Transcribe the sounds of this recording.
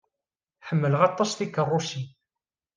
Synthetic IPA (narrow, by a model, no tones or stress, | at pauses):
ħəmːələʁɑt̪ˤːɑsθikːərˤːʊʃi